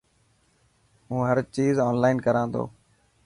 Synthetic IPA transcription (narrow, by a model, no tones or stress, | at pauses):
ɦũːɦəɾt͡ʃiːzɔːnlaːɪnkəɾãːnd̪o̰ː